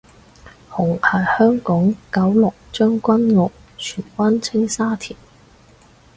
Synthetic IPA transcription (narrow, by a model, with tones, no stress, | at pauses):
hʊ˨˩ŋɐ˨˩jhœː˥ŋkɔː˨˥ŋkɐ˨˥wlʊ˨k̚t͡ʃœː˥ŋkʷɐ˥nŋʊ˨k̚ | t͡ʃʰyː˨˩nkɐ˥nt͡sʰɪ˥ŋsaː˥t̪ʰiː˨˩n